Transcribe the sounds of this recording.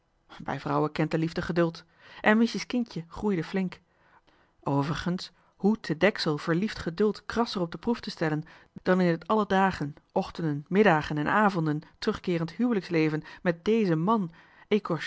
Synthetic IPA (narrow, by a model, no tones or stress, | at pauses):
bɛ̰jvrɑwəkɛntdəlivdəχədɵlˠt | ʔɛnmɪsəskɪncəχrujdəvlɪŋk | ʔowvərχəns | hutədɛksəlˠv̥əɹliftχədɵlˠtkrɑsərɔb̚dəpruftəstɛlən | d̥ɑnɪnətɑlədaːχənʔɔχtəndənmɪdaːχənɛnʔaːvɔndəntrɵχkɪːrəntɦywləkslejvənmɛt̚dejzəmɑn | ekɔɹ